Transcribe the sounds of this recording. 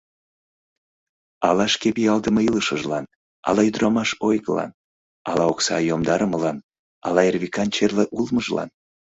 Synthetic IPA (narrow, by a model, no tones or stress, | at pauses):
ɑlɑʃkepiɑlˠd̪əmɤiləʃəʒlɑn | ɑ̰lɑyd̪ɾɑmɑʃojɣəlɑ̰n | ɑlɑoksɑ̰jomd̪ɑɾəməlɑn | ɑ̰lɑerβikɑnt͡ɕerleʔulməʒlɑ̰n